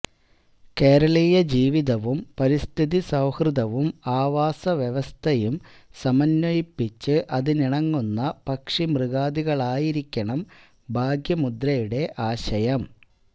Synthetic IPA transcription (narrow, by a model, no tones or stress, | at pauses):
ke̞ːɾɐɭiːjɐd͡ʑiːʋiðɐʋumpɐɾist̪ʰiðisɐwhrɨðɐʋumaːʋaːsɐʋjeʋɐst̪ʰɐjum | sɐmɐnːɐjipːit͡ɕːɨʔɐðɨniɳɐŋːunːɐpɐkʂimrɨɣaːðiɣɐɭaːjiɾikʲːɐɳɐm | bʱaːɡʱjɐmud̪ɾɐjuɽe̞ʔaːɕɐjɐm